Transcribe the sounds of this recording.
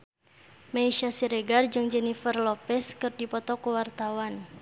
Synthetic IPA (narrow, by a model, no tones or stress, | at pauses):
maiʃasiɾɛɡard͡ʒɨŋd͡ʒɛnifərlɔpɛskɨrdipɔt̪ɔkuwart̪awan